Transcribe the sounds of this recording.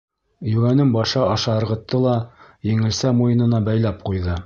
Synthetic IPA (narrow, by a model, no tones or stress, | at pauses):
jʉɡænɘmbɑʃɑɑʃɑɤ̆ɾʁɤ̆t̪ːɤlˠɑjɘ̆ŋɘ̆lsæmujɤ̆nɤ̆nɑbæjlæp̚qujðɤ